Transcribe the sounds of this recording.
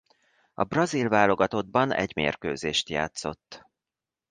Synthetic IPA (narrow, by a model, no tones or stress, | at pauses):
ɒ̰brɒzilvaːlo̞ɡɒt̪o̞d̪̚bɒnɛ̰ɟmḛːrkøːzeːʃt̪ja̰ːt̪so̞t̪ː